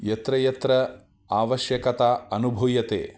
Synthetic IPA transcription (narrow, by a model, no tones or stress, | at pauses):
jɐt̪ɾɐjɐt̪ɾɐ | aːʋɐʃjɐkɐt̪aːɐnubʱujɐt̪ḛː